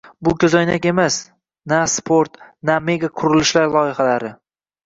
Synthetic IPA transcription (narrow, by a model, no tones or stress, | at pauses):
bʊkʲʰɵzɒjnakʲe̞mas | naspʰoɾt̪name̞ɡaqʰʊɾɪlɪʃlaɾlˠɒɪχalaɾɪ